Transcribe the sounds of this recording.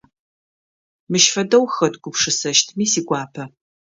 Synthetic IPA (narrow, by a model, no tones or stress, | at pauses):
mɨʃfɐdɐwxɐtɡʷʊpʂɨsɐʃtʰmiːsiːɡʷʼɑːpʰɐ